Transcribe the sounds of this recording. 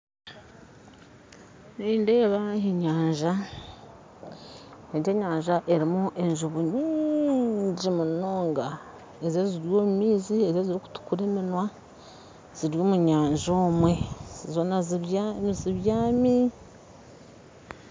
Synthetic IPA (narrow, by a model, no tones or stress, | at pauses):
niːnde̞ːβaheɲaːɲʒa | eɲd͡ʒe̞ːɲaːɲʒaʔe̞ɾimuʔe̞ɲʒuβuɲiɲɲɟimunoːŋɡa | ezjeziɾjoːmumiːzie̞zeziɾiku̥tu̥kuɾeːminwa | z̥iɾjo̞ːmuɲaːɲʒoːmwe̞z̥izonazziβjaːmi